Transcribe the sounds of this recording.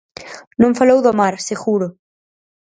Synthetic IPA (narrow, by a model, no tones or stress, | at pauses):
nõŋfalowðomaɾseɣuɾʊ